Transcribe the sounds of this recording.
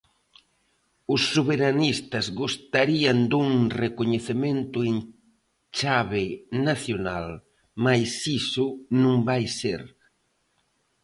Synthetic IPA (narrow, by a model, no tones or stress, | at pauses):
ʊsːuβeɾanist̪ɐzɣost̪aɾiand̪uŋrekoɲeθemẽnt̪ʊeŋ | t͡ʃaβɪnaθjonal | majsisʊnũmbajsḛɾ